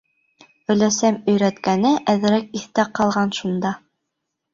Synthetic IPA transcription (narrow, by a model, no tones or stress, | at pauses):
ɵ̆læsæmɵ̆jɾæt̪kænɘʔæðɘ̆ɾæk̚iθt̪æqɑlˠʁɑnʃund̪ɑ